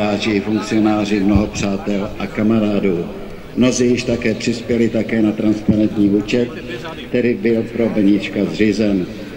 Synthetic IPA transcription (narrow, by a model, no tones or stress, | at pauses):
aːrɪɪfuŋk̚t͡sɪo̞naːr̝ɪmno̞ɦo̞pr̝̥aːt̪ɛlʔakamaɾaːduː | mno̞zijɪʃt̪akɛːpr̝̥ɪspjɛlɪt̪akɛːnat̪ɾanspanɛnt̪ɲiːuːt͡ʃɛt̪ | kt̪ɛɾiːbɪlpɾo̞bɛɲɪt͡ʃkazrɪzɛn